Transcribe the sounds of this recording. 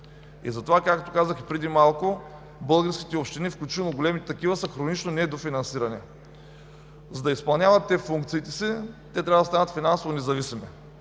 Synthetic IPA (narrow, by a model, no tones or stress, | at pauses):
ḭzɐt̪ovakakt̪okazəxipɾɛd̪imalˠko | bɤlˠɡəɾskʲi̥t̪ɛopʃt̪inifklʲut͡ʃinoɡolɛmit̪ɛt̪ɐkivəsəxɾonit͡ʃnonɛd̪ofinɐnsiɾɐnɛ | zɐd̪ɐispɐlˠnʲjavɐt̪ːɛfuŋk̚t̪siːt̪ɛsit̪ːɛt̪ɾʲavɐd̪ɐst̪anət̪finansovonɛzɐvisimɛ